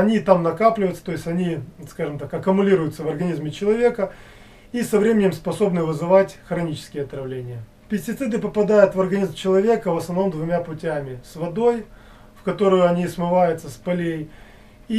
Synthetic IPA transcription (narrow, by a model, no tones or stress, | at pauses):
ɐnʲit̪amnɐkaplʲɪvəɪt̪sə̥t̪o̞ɪsʲtʲɐnʲiskaʐɨmt̪akɐkʊmʊlʲiɾʊjʊt̪səvɐrɡɐnʲizmʲɪt͡ɕɪlˠɐvʲe̞kə | isɐvɾʲemʲɪnʲɪmspɐso̞bnɨvɨzɨvatʲxɾɐnʲit͡ɕɪ̥skʲɪjəɐt̪ɾɐvlʲenʲɪjə | pʲɪsʲtʲɪt̪sɨd̪ɨpəpɐd̪ajʊt̪vɐrɡɐnʲizmt͡ɕɪlˠɐvʲe̞kəvəsnɐvno̞md̪vʊmʲapʊtʲamʲɪsvɐd̪o̞j | fkɐt̪o̞ɾʊjʊɐnʲismɨvajʊt̪səspɐlʲej | i